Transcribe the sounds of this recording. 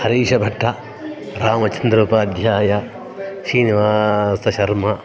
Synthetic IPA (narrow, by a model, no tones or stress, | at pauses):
hɐɾiːʃɐbʱɐʈʰːɐ | ɾaːmɐt͡ʃɐnd̪ɾuːpɐːd̪ʱjaːjɐ | ʃiːniʋaːsɐʃɐɾmɐ